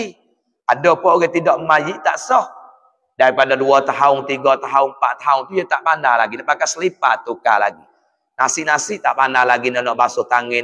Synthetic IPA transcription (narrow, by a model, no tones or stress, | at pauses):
i | adɔpɔɡɛt̪idɔʔmajiʔt̪aʔsɔh | daɾipadaduat̪aɦʊŋt̪iɡɔt̪aɦʊŋmpaʔt̪aaʊŋt̪ujət̪aʔpanahlaɡilapakasəlipa̰t̪ːuka̰la̰ɡi | nasɪʔnasɪʔt̪aʔpanahlaɡinɔnɔʔbasot̪aŋɛ